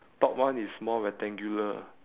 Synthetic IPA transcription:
tɔʔ̚wãnismɔɹɛtɛ̃ŋɡjulə

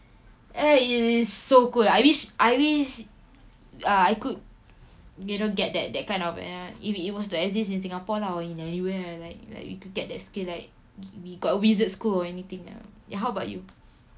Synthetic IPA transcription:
ʔɛiisːokulajwiʃʔajwiʃ | aajkud̚ | judõnɡɛt̚dɛ̰t̚dɛt̚kãɪ̃nɔfɛ̰ifit̚wɔstuɛkzis̬ĩns̬ĩŋapɔlaɔĩnɛniwɛlaɪk̚la̰ɪkwḭkud̚ɡɛt̚dɛtskillaɪk̚ | wiɡɔtəwizətskulɔɛnit̪ĩŋa̰a̰ɦawəbaʊtju

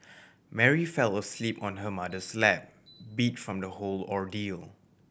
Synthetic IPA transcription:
mɛɹifɛlˠəslipɔ̃nɦəmadəslɛp̚ | bitfɹɔ̃mdəholɔɹdilˠ

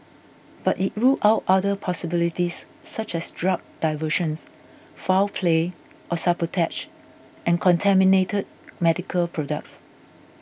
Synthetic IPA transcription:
b̥atit̚ɹuʔaʊtadəpʰɔsibilitisː | at͡ʃɛsdɹak̚d̥aɪvəʃə̃ns | falpʰle | ʔɔsapətʰɛt͡ʃ | ʔɛ̃nkʰɔ̃ntʰɛminetʰəd̚mɛdikʰəlpʰɹɔdə̰k̚ts

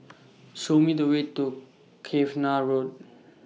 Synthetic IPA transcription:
somid̪əwetːu | kʰefnaɾod̚

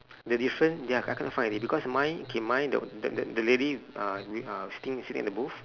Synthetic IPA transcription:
dədifɹə̃ndaa̰kɛ̃nɔtfãj̃nɛdibikɔsmãjokʰemãjdə̰dədədəlediawiasi̥tĩŋsitĩŋɛ̰tdəbuf

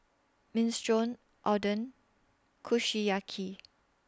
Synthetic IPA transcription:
mĩnstɹɔ̃n | ʔɔdə̃n | kʰuʃijakʰi

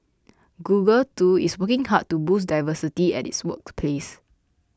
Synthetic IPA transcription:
ɡuɡəltuḭswəkɪ̃ŋhad̚tubusdajvəsitiɛ̰tḭtswək̚pʰles

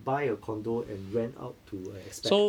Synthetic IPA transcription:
baɪəkʰɔ̃ndoʔɛ̃nɹɛ̃na̰ʊtʰːuə̃nɛkspɛo

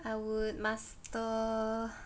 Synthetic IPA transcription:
awut̪̚mas | t̪ɔ

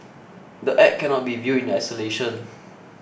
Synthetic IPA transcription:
dəʔɛʔ̚kːɛ̃nɔt̚bivjuĩndajsəleʃə̃n

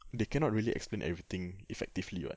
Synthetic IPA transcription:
dekɛ̃nɔt̚ɹiəliʔɛ̰ksplẽnʔɛ̰vɹit̪ĩŋifɛk̚tivliba̰

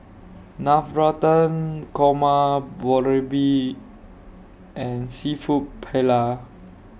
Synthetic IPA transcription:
nafɹɔtə̃nkʰɔmabɔɹebi | ʔɛ̃nsifut̚pʰɛla

